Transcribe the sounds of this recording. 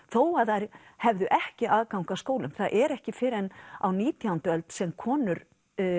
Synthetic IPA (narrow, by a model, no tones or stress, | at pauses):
θoːwaðhajɾ̥ | hɛvðʏʔɛhcɪʔaːðkawŋkaskoːwlʏmθaðʔɛɾɛhcɪfɪɾɛnawniːt̪iant̪ʏœlt̪sɛmkʰɔːnʏɾ